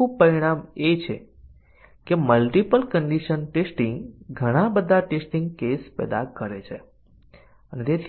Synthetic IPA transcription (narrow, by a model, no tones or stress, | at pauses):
ũpəɾiɽ̃amet͡ʃʰe | keməlʈipəlkəɳɖiʃənʈesʈĩŋɡɡʱəɽ̃ãbəd̪ʱaʈesʈĩŋɡkespɛ̰d̪akəɾet͡ʃʰḛ | ənet̪et̪ʰ